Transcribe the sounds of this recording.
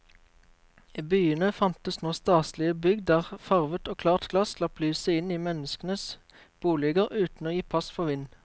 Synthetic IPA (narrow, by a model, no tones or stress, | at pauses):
iːbyːənəfɑnt̪əsnoːst̪ɑːslɪəbʏɡd̪əʁfɑʁʋət̪oːkʰlɑːʁt̪ɡlɑslɑplyːsəɪniːmɛnəskənəs | b̥uːlɪɡəʁʔʉːt̪n̩oːjiːpʰɑspʰoːʋɪn